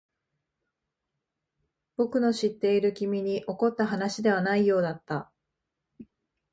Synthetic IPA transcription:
b̥o̞kɯ̟no̞ɕit̪ːe̞iɾɯ̟kʲimʲiɲ̟iʔo̞ko̞t̪ːaɦanaɕid̪e̞β̞anaijo̞ːd̪at̪ːa

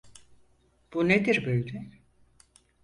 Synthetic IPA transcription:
b̥uned̪iɾbøjʲd̪ɛ

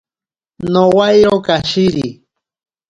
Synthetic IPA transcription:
nowajɾokaʃiɾi

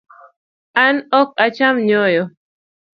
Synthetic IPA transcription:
anɔk̚at͡ʃamɲɔjɔ

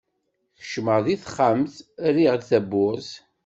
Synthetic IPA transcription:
θə̥ʃməʁðiθχəmθriʁd̪θæbːʊz

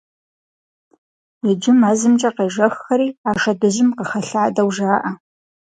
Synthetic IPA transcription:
ɪd͡ʒɪmaːzɨmt͡ʃʼɐqejʒɐxːɐɾiːaːʂɐdɨʑɪmqəxɐɬaʕadɐwʒaːʔɐ

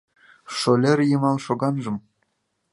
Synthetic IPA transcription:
ʂŏlʲerʲjɤ̆mɑlˠʂŏɡɑnʐɤ̆m

